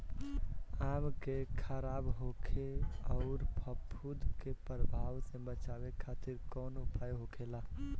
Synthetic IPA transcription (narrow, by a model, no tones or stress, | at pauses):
amkekʰəɾabɦokʰeəʊɾpʰəpʰːud̪ʱkepɾəbʱaʋsẽbət͡ʃabekʰat̪iɾkɔnoupajɦokʰela